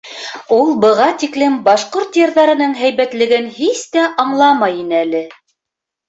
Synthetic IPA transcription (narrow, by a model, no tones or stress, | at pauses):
ulˠbɤ̆ʁɑt̪iklɘmbɑʃqoɾt̪jɤ̆ɾðɑɾɤ̆nɤɴɦæjβæt̪lɘ̆ɡɘnhist̪æʔɑɴlˠɑmɑjinælɘ